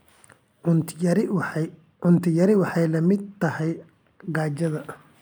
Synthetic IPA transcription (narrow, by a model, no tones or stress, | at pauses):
ʊɾ | ʕʊnt̪ʰɪjɐɾɪwɑħɑjlɐmɪd̪̚t̪ʰɐhɛj | ɡaːt͡ʃɐðɐ